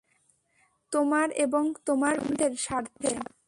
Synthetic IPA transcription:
t̪omaɾeboŋt̪omaɾud̪ʱeɾʃaɾt̪ʰe

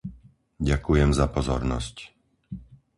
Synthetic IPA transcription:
ɟakujɛmzapɔzɔ̰ɾnɔ̰sc

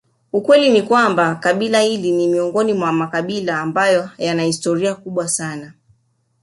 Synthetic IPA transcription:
ukwɛlinikwambakaɓilahilinimiɔŋɡɔnimwamakaɓilaːmbajɔjanahistɔɾiakuɓwasana

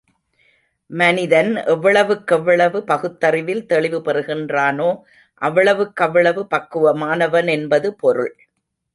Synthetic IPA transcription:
mɐnɪðɐnʔɛʋːɐɭɐʋɯkːɛʋːɐɭɐʋɯpɐɣɯt̪ːɐrɪʋɪlt̪ɛɭɪʋɯpɛrɯɣɪndraːnoː | ʔɐʋːɐɭɐʋɯkːɐʋːɐɭɐʋɯpɐkːɯʋɐmaːnɐʋɐnɛnbɐðɯpɔɾɯ̰ɭ

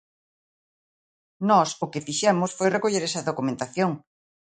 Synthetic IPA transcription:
nɔsʊkɪfiʃɛmʊsfojrekoʎeɾɛsɐðokumẽnt̪aθjoŋ

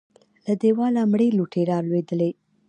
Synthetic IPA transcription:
lad̪ewɑlamɽeluʈʰeɾɑɾlwed̪əle

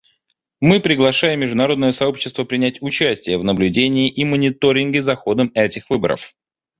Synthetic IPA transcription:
mɨpɾʲɪɡlˠɐʂajɪmːʲɪʐd̪ʊnɐɾo̞d̪nəjəsɐo̞pɕːɪ̥st̪vəpɾʲɪnʲætʲʊt͡ɕæsʲtʲɪjəvnəblʲʉdʲenʲɪːʔimənʲɪt̪o̞ɾʲɪnɡɪzɐxo̞d̪əmɛtʲɪxvɨbə̰ɾə̰f

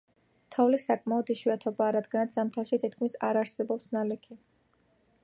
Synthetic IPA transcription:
t̪ʰɔvlisakʼmaɔd̪iʃwiat̪ʰɔbaːɾad̪ɡanat̪szamt̪ʰafʃit̪ʰit̪kʰmisa̰ɾaɾsɛbɔpsnalikʰi

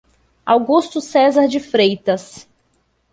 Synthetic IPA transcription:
awɡust̪ʊsɛzɐɾd͡ʒɪfɾejt̪ɐs

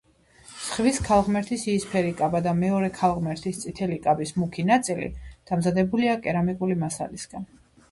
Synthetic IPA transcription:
sχviskʰalˠʁmɛɾt̪ʰisiːspʰɛɾikʼabad̪amɛɔɾɛkʰalˠʁmɛɾt̪ʰist̪sʼit̪ʰɛlikʼabismukʰinat̪sʼilḭd̪̥amzad̪ɛbuliakʼɛɾamikʼulimasa̰lisɡ̥an

